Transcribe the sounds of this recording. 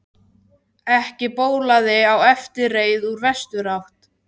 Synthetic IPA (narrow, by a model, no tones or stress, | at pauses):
ɛhcɪpoːwlaðɪawɛft̪ɪreːjðuɾvɛst̪ʏɾawht̪